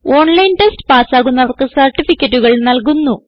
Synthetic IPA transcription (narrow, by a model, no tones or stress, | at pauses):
o̞ːɳlɐjnʈesʈpaːsaːɣunːɐʋɐrkɨsɐrʈifikʲːɐʈːuɣɐɭnɐlk̬unːu